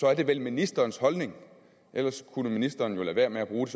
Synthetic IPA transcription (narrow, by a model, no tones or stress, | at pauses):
sɒ̽æɐd̥e̝ʋelminisd̥ɐːnshɒ̽lne̝ŋ | ʔelɐskʰunəminisd̥ɐːnjo̝læʋæɐ̰meæb̥ʁuːd̥e̝s